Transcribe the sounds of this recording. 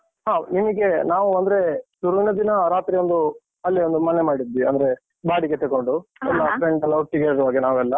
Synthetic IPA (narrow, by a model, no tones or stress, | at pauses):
ɦaːnimɐɡe̞naːʋuɐnd̪ɐɾe̞d̪uɾʋinɐd̪inɐɾaːt̪ɾiond̪u | ɐlːiond̪umɐnemaːɽid̪ːʋiɐ̰nd̪ɐɾe̞ | baːɽiɡet̪ɐɡoɳɖuɛlːɐpʰɾeɳɖɐlːɐuʈːiɡeɾʋaːɡenaːʋɛlːɐ